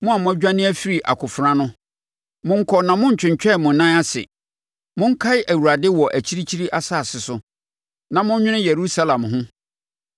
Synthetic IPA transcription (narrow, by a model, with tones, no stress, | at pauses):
mʊ̃˦a˨mʊ̃˦ɛ˦d͡ʑᶣã˦nɪ̃˦æ˦fi˦ɾi˨ʔa̰˨kʰʊ˨fɾã˦nʊ̃˦ | mʊ̃˦ŋ̩˦kʰɔ˨nã˨mʊ̃˦ɲ̩˨t͡ɕᶣɪ̃˨ɲ˨t͡ɕᶣɛ˦˨mʊ̃˨nnːã˦a˦sɪ̰˨ | mʊ̃˦ŋ̩˦kʰa˦ɪ˦ʔæ˨wu˨ɾa˨dɪ˦wɔ˨ʔæ˨t͡ɕʰi˦ɾi˦t͡ɕʰi˦ɾi˦ʔa˦saː˦˨sɪ˨sʊ˨ | nã˨mʊ̃˦ɲ˦ɲᶣɪ̃˦nɪ̃˦jɛ˨ɾu˦sa˦lã˨mɦʊ̃˦